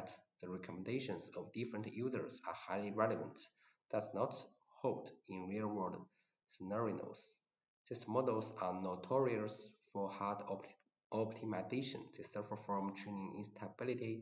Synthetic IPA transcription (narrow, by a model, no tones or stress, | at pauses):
tðəɹɛkʰɔm̃ndeɪʃə̃nsɔvdɪfɹə̃ntʰjuzə̰˞sahaɪliɹɛləvə̰̃nt | d̥aznɔt | holdɪ̃nɹilˠwɜ˞d | sənəɹino̰ls | ðismɔdəlˠsanotʰɔɹiəlsfɔhad | ɔp̚tʰimazeʃə̰̃ntʰusɜ˞fə˞fɹɔ̃mt͡ʃʰũnɪ̃ŋɪ̰̃nstʰəbɪliti